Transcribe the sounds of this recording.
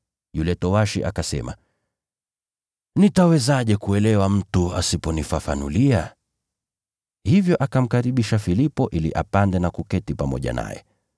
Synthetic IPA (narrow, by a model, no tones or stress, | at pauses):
julɛtɔwaʃḭʔa̰kasɛ̰ma̰ | nitawɛzaʄɛkuɛlɛwam̩tua̰sipɔnifafa̰nṵlia | hivjɔʔakam̩kaɾiɓiʃafilipɔʔiliʔa̰pandɛnakukɛtipamɔ̰ʄa̰na̰jɛ̰